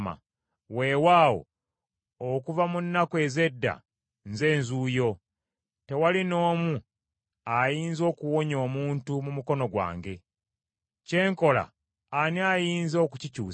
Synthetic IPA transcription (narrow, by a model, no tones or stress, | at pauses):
ma̰ | we̞ːwaːwo̰ | okuvamunːakwe̞ːze̞dːa̰ | nze̞ːnzuːjo̞ | te̞walino̞ːmu | ajiːnzo̞ːkuwo̞ɲo̞ːmuːntumumuko̞no̞ɡwa̰ːŋɡe̞ | ce̞ːŋko̞la̰ː | niajiːnzo̞ːkucicṵː